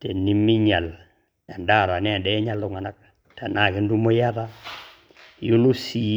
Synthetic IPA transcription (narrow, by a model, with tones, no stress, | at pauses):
te˨ni˦mi˦ɲa˨l | a˨nda˦˨ɾa˨nɛ˦a˨dɛ˦ɲa˦lːu˨ŋa˨na˦k̚ | ta˨na˨ki˦n˦du˦mo˦ja˦ða˦ | ju˦lu˦si˨